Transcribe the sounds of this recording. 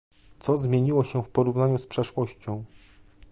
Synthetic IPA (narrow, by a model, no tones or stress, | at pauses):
t̪sɔzmʲjeɲiwɔɕɛfpɔɾuvnaɲuspʂɛʂwɔɕt͡ɕɔ̃w̃